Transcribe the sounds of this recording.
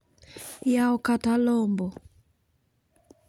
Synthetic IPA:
jaɔkatalɔmbɔ

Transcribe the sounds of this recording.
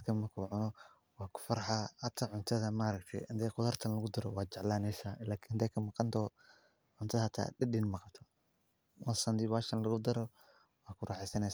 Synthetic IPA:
kʰɐmɐkʰuːʕʊnɔ | wɑːkʰʊ̥fɐɾħahɐt̪ʰaʕʊnt̪ʰɐðɐmaɾɐkt̪ʰɛ̰jɐnd̪ɛjqʊðɐrt̪ʰɐnlɐɣʊd̪ɐɾɔwɑːt͡ʃɛʕlaːnɛːsaːlaːkʰinhnd̪ɛːjkʰɐmɑqɑnt̪ʰɔː | ʕʊnt̪ʰɐðhɐt̪ʰa̰ːdɪdɪnmɑqɑt̪ʰɔ̥ | wɐsɐnd̪ɪβaːʃɐnlɐɣʊd̪ɐɾɔ | wɑːkʰʊɾʔaːħɛsɐnɛjs

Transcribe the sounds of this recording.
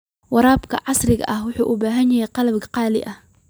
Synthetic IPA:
wɑɾˤɑːbkɐ̰ʕɑsɾɪɡa̰ʔɐhwʊħuːʔuːbaːɦɪnjahaːqɑlabɡqɑːlɪ̰ʔah

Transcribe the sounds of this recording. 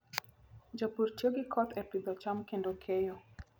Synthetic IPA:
d͡ʒɔpuɾt͡ʃoɡikʰɔt̪ɛplid̪ɔt͡ʃamkendokʰejo

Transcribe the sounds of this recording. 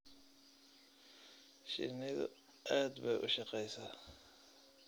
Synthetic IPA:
ʃɪ̰nɪðʊ̰ | ʔaːd̪bɛjʔʊ̰ʃɑqɛjsa

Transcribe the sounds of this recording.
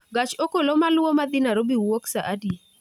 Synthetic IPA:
ɡat͡ʃokolomalʊomad̪ɪnaɾobiwoksaʔadi

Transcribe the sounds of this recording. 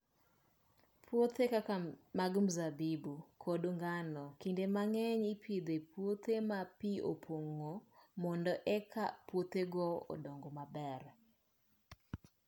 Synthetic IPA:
pʰwot̪ekakamaɡm̩zabibukʰodoŋɡanɔkindemaŋɛɲipʰid̪epwot̪emapio̰pʰoŋːomɔndɔʔɛkʰapwot̪eɡɔɔ̰dɔŋɡɔmabɛr

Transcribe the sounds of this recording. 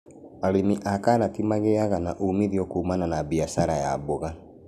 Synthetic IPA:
aɾemiʔakanatimaɣeaɣanaʔumiðiɔkuːmananabiasaɾajaboɣa

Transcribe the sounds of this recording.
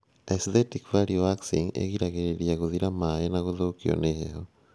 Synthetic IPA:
estetikβaɾioβaksḭŋḛɣiɾaɣeɾeɾjaɣuðiɾamajenaɣuðokio̰nehḛho

